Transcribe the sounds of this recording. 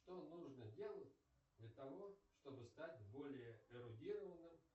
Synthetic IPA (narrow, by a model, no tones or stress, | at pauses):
ʂt̪onuʐnədʲe̞lˠətʲ | d̪lʲət̪ɐvo̞ʂt̪o̞bɨst̪atʲbo̞lʲɪjəɪɾʊdʲiɾəvənɨm